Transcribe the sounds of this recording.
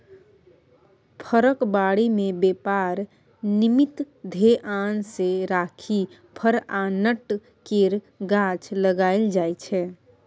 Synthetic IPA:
pʰəɾəkbaɽimebepaɾ | nimit̪ | d̪ʱeʔanseɾakʰi | pʰəɾanəʈ | keɾ | ɡat͡ʃləɡaɪld͡ʒajt͡ʃʰɛ

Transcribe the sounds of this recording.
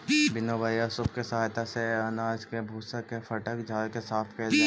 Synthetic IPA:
bɪnobajasʊbkesɐɦaːjt̪aseɐnaːd͡ʒkebʱuːsəkːefɐʈəkd͡ʒaːkesaːt̪ʰkɛl

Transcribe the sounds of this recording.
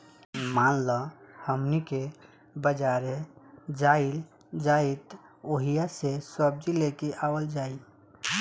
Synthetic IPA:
maːnlɔhəmnike | bəd͡ʒaɾed͡ʒail | d͡ʒait̪oɦijasesəb̚d͡ʒilekeʔawəld͡ʒaːi

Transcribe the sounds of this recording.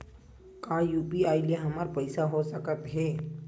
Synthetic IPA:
kaːjuːpiaːilieɦɐməɾpəɪsaɦosəkət̪ɦeː

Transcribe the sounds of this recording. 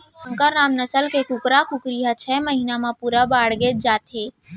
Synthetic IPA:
sə̃ŋkəɾːaːmnəsəlkekukɾakukɾijat͡ʃʰɛməɦinamãpuɾabaːɽɡed͡ʒaːt̪ɦe

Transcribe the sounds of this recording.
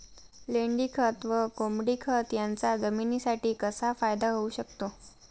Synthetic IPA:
leɳɖikʰət̪ʋəkomɽiːkʰət̪jant͡sad͡zəminiːsaʈiːkəsafajd̪aɦouɕəkt̪o

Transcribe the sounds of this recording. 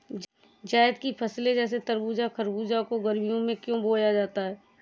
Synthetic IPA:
d͡ʒaːɪd̪kipʰɐsled͡ʒɛːs̬et̪əɾbuːd͡ʒakʰəɾbuːd͡ʒakoɡəɾmijõmẽkjõːboːjad͡ʒaːt̪aɦɛː

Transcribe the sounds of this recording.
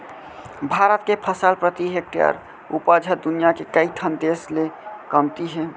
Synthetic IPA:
bʱaɾət̪̚kepʰəsəlpɾət̪iɦek̚ʈjə̰ɾ | ṵpəd͡ʒʱət̪̚d̪unijakekəiʈʰənd̪eslekəmt̪iɦɛ

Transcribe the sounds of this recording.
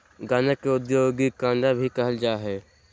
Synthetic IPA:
ɡaːnəkeʊd̪joːɡikãːnɖ̪abʱikɐɦəld͡ʒaːɦɛː

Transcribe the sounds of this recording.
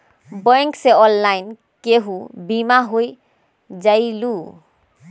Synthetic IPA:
bɔjŋkseɔlːajn | keɦũbimaɦoj | zajlu

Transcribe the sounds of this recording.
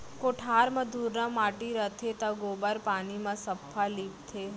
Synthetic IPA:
koʈʰaːɾmə̃d̪ʱuːɾnãmaːʈiɾət̪ʰet̪ãɡoːbəɾpaːnimãsəpʰːaliːp̚t̪ʰe

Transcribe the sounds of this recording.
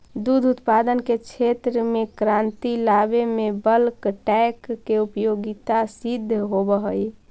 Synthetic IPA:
d̪ud̪ʱut̪pad̪ənket͡ʃʰet̪ɾəmekɾant̪ilabemebəlkʈɛkːeupjoɡit̪asid̪ʱːɦobəɦəj

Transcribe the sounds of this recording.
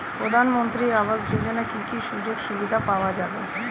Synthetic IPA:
pɾod̪ʱanmont̪ɾiaβazɾulonakikiʃud͡ʑoɡʃubid̪ʱapaoad͡ʑabe

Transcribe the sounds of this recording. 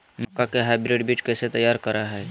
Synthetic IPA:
mɐkːakeɦaːɪbɾeːɖbiːt͡ʃkɛːset̪ɐjaːɾkɐɾaɦɛː

